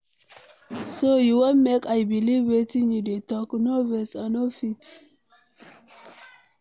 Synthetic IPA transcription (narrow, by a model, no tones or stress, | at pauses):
sojuwõnmekajbilivwetĩnjudetɔknovɛsanofit